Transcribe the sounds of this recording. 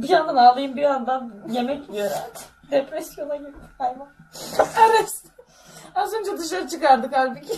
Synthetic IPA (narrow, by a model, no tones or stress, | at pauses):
bijand̪analˠɯjɯmbijand̪anje̞mɛcøɾɛ̰ | d̪epɾɛsjo̞naɟibkajvanaɾas | azønd͡ʒɛd̪ɯʃ̬lˠaɾɯt͡ʃʰɯkaɾd̪ɯkhalʲbic